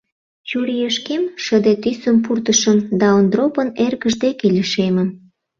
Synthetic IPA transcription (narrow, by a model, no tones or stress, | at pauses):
t͡ɕuɾijeʃkemʃəd̪et̪ysəmpurt̪əʃəmd̪ɑond̪ɾopənerɣəʒd̪ekelʲiʃemə̆m